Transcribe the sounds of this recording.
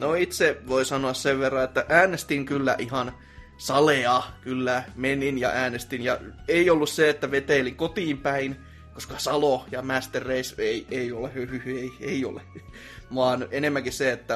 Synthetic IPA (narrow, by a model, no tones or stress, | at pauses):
noit̪seʋoisɑnoɑsseʋʋerːɑet̪ːæʔæːnest̪iŋkylːæ̰ʔihɑn | sɑleɑkylːæmeninjɑ̰ʔæːnest̪injɑ̰eiolːusseet̪ːæʋet̪eːliŋkot̪iːmpæin | koskɑsɑlojɑmæst̪erːeiseieiolehyyeieio̰le | ʋɑːnenemːæŋkisseet̪ːæ